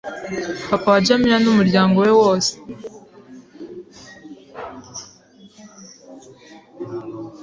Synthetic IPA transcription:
akawaɟamiɾanumuɾɟaːŋɡowe̞wo̞ːse̥

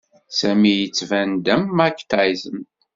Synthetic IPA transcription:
sæmijət͡sːvænd̪æmːækːt̪aizəm

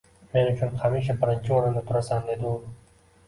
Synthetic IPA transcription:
me̞nʊt͡ʃʰʊnhamiʃ̬abɪɾɪnt͡ʃʰɪɒɾɪnd̪at̪ʰʊɾasand̪e̞d̪ɪʊ

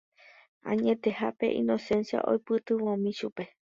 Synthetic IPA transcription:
ã̰ɲẽ̞t̪e̞hape̞̰ʔḭ̃no̞sẽ̞nsja̰ʔo̰jpɨt̪ɨwõmĩʃupe̞

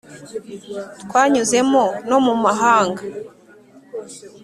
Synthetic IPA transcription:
twaːɲuze̞mo̞no̞mumaɦaːŋɡa

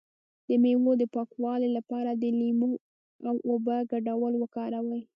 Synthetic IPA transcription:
d̪̥əmewod̪əpɑkwɑlelapɑɾad̪əlimu | awʔobəɡaɖawəlwəkɑɾawəj

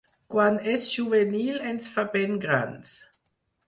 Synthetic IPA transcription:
kwanɛsʒuvɛnilɛnsfabɛnɡɾa̰ns

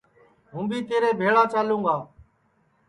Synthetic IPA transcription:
ɦũːbiːt̪eːɾeːbʱeːɭaːt͡ʃaːlũːɡaː

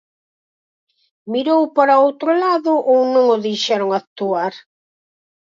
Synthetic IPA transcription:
miɾowpaɾaowt̪ɾʊlaðʊʔownõŋʊðejʃɛɾʊŋat̪uaɾ

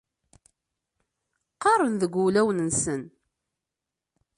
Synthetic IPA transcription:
qɑɾˤənðəɡʷːulæwənənsən

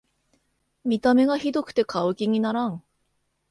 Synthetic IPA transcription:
mʲit̪ame̞ɡaçid̪o̞kɯ̟̥t̪e̞kaokʲiɲ̟inaɾãŋ̃

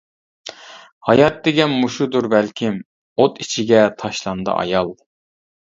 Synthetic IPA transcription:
hɑjɑt̪̚d̪eɡʲɛnmuʃud̪uɾbɛlkʲʰim | ot̪it͡ʃʰiɡʲɛt̪ʰɑʃlˠɑnd̪ɨ̰ʔɑ̰jɑlˠ

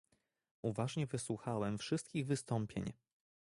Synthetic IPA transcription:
ʔuvaʐɲɛvɘswuxawɛmfʂɘst̪̚kʲiɣvɘst̪ɔmpʲjḛɲ

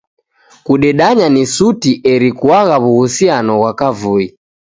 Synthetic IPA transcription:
kuɗɛɗaɲanisutiʔɛɾikuaɣaβuhusianɔɣwakavui

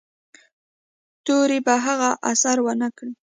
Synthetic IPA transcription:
t̪oɾibaɦaɣaʔasaɾwənakɽi

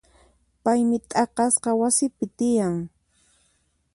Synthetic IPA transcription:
pajmɪt̪ʼɑqɑsqɑwasɪpɪt̪ɪjaŋ

